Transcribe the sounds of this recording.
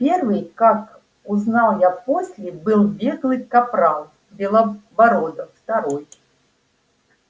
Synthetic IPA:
pʲervɨjkak | ʊznalˠjaposʲlʲɪbɨlˠbʲeɡlˠɨjkapɾalˠ | bʲɛlˠabɐɾod̪əft̪aɾoj

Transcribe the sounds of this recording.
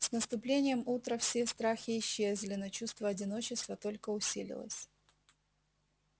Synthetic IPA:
snəst̪ʊplʲenʲɪjəmut̪ɾəfsʲest̪ɾaxʲɪːɕːeəzʲlʲɪnət͡ɕust̪vəɐdʲɪno̞t͡ɕɪst̪vət̪o̞lʲkəʊsʲilʲɪ̰lˠə̰sʲ

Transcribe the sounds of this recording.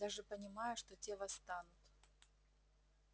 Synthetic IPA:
d̪aʐɨpənʲɪmajʊʂt̪otʲevɐst̪anʊt̪

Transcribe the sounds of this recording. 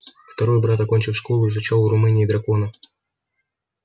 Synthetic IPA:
ft̪ɐɾɔjbɾat̪ɐkonʲt͡ʃɪfʂkɔlˠʊizʊt͡ʃaw̪ˠɾʊmɨnʲiːd̪ɾɐkonɐ

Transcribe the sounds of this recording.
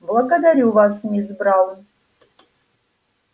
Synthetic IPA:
blˠɐɡɐd̪aɾʲuvasnʲizbɾalˠ

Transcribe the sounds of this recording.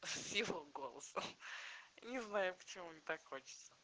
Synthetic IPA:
sʲivoɡolˠəsə | nʲɪznajʊpə̥t͡ɕɪmumnʲɪt̪akxot͡ɕɪ̥t̪sə

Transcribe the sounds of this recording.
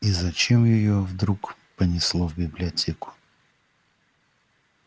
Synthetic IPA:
izɐt͡ʃɛmjɛjɔvd̪ɾukpɐnʲislˠɔvbiblʲiɔt̪ʲɛkʊ̥

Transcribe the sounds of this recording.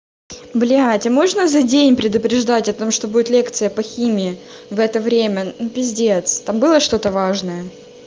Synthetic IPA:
blʲɪatʲɪmo̞ʐnəzɐdʲenʲpɾʲɪd̪ʊpɾʲɪʐd̪atʲɐt̪o̞mʂt̪o̞budʲɪt̪lʲe̞kt̪sɨjəpɐxʲimʲɪɪ | vɛt̪əvɾʲemʲənupʲɪzʲdʲet̪st̪ambɨlˠəʂt̪o̞t̪əvaʐnəjə

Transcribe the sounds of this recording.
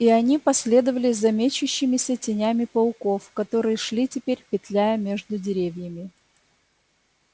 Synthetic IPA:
iɐnʲipɐsʲlʲe̞d̪əvəlʲɪzɐmʲet͡ɕʊɕːɪmʲɪsʲətʲɪnʲæmʲɪpɐʊko̞fkɐt̪o̞ɾɨjəʂlʲitʲɪpʲeɾʲpʲɪt̪lʲæjəmʲeʐd̪ʊdʲɪɾʲevʲjəmʲɪ

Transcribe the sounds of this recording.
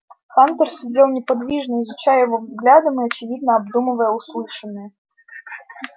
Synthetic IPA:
xant̪ərsʲɪd͡zʲelˠnʲɪpɐd̪vʲiʐnəɪzʊt͡ɕajjɪvovzɡlʲad̪əmɨɐt͡ɕɪvʲid̪̚nəɐbd̪umɨvəjəʊslˠɨʂɨnːɨjə

